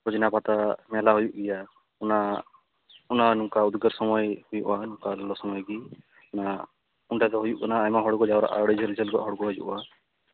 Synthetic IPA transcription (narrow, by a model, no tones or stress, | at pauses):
ɾɔd͡ʒinapat̪amɛlaɦujuʔɡɛja | una | unanuŋkaud̪ɡɔɾsɔmɔjhujṵʔanuŋkalɔlɔsɔmɔjɡi | na | uɳʈat̪ɔɦujuʔkɔnaːjmaɦɔɽɡɔd͡ʒawɾɔ̰ʔa̰ɽɛd͡ʒʱɔld͡ʒɛlɡɔʔɦɔɽɡɔɦɔd͡ʒṵʔa